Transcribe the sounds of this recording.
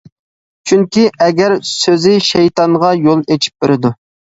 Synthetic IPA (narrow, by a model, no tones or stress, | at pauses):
t͡ʃʰyŋkʲiɛɡʲɛɾsøzɪʃejt̪ɑŋʁɑjolˠet͡ʃʰi̥p̚b̥eɾɪd̪u